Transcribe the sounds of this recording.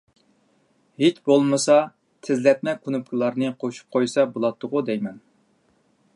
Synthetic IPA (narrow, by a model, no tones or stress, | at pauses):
het͡ʃbolˠmɨsɑ | t̪ʰɪzlɛt̪̚mɛkʰunup̚kʲʰilˠɑɾnɨqʰoʃu̥p̚qʰojsɑbolˠɑt̪ʰːʊʁud̪ɛjmɛn